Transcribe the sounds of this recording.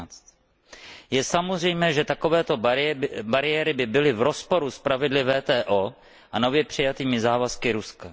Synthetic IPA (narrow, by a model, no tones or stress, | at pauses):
t͡st̪ | jɛsamozr̝ɛjmɛːʒɛt̪ako̞vɛːt̪o̞baɾɪjɛɾɪbɪbɪlɪvɾo̞spo̞ɾuspɾavɪdlɪvɛːt̪ɛːʔoː | ʔano̞vjɛpr̝̥ɪjat̪iːmɪzaːvaskɪɾuska